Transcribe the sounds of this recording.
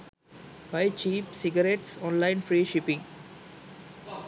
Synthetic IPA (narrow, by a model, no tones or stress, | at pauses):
baɪt͡ʃiːpsɪɡəɾeʈsɔ̃ːnlãɪ̃nfɾiːʃɪpɪ̃ŋ